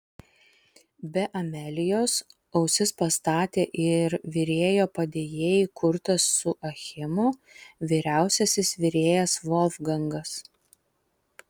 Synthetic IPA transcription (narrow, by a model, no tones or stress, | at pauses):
bʲɛʔɐmʲɛlʲɪjoːs | ɐʊsʲɪspɐst̪ɑːt̪ʲeːʔɪɾʋʲɪɾʲeːjoːpɐd̪ʲeːjeːjɪkʰʊɾt̪ɐsːʊʔɐxʲɪmʊ | ʋʲiːɾʲæˑʊsʲɛsʲɪsʋʲɪɾʲeːjɛsʋɔlʲˠfɡɐŋɡɐs